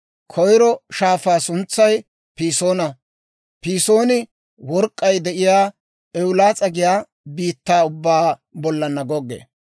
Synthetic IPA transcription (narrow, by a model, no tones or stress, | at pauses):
kʰɔjɾɔʃaːfaːsʊnt͡sːɐj | piːso̞ːnɐ | piːso̞ːnɪ | wɔɾkʼːɐjd̪ɛʔɪjaː | ɛwʊlaːt͡sʼɐɡɪjaː | biːt̪ːaːʊbːaːbɔlːɐnːɐɡɔɡːḛː